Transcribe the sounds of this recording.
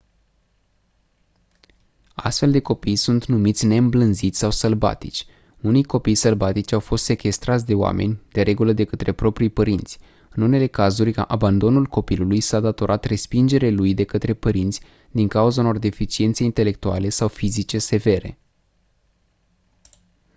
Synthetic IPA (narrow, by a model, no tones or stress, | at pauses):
a̰st̪fe̞ld̪e̞ko̞pijsunt̪numit̪sʲne̞ɨmblɨnzit̪sʲsawsəlba̰t̪it͡ʃʲ | unijko̞pijsəlbat̪it͡ʃʲawfo̞st̪se̞kʲe̞st̪ɾat̪sʲd̪e̞oa̰mʔe̞̰nʲd̪̥e̞ɾe̞ɡuləd̪e̞kət̪ɾe̞pɾo̞pɾijpəɾint̪sʲ | ɨnune̞le̞kazurʲa̰ʔaband̪o̞nulko̞pilulujsad̪at̪o̞ɾʔat̪re̞spind͡ʒe̞ɾelujd̪e̞kət̪ɾe̞pəɾint̪sʲ | d̪iŋkauzauno̞rd̪e̞fit͡ʃie̞nt̪seint̪e̞le̞k̚t̪uale̞sawfizit͡ʃe̞se̞ve̞ɾe̞̰